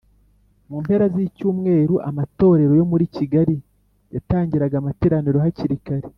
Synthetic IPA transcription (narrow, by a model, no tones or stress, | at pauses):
mumpe̞ɾazicuːmŋe̞ːɾuʔa̰mato̞ːɾe̞ɾo̞jo̞muɾiciɡaɾi | jataːɲɟiɾaɡamateɾaniɾo̞ɦaciɾikaɾe